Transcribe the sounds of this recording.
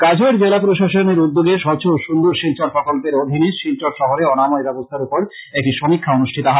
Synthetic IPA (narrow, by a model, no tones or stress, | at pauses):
kad͡ʑʱoeɾd͡ʑelapɾoʃaʃoneɾud̪ːoɡeʃɔt͡ɕʰoʃund̪uɾʃilt͡ɕɔɾpɾɔkolpeɾod̪ʱiniʃilt͡ɕoɾʃɔɦoɾeɔnamɔjbɛbost̪ʰaɾupoɾ | ɛk̚ʈiʃomikʰːaonuʃʈʰit̪oɦa